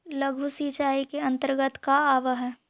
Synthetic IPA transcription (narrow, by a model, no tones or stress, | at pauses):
ləɡʱusiːt͡ʃaːikeɐ̃nt̪əɾɡət̪kaaːʋəɦɛː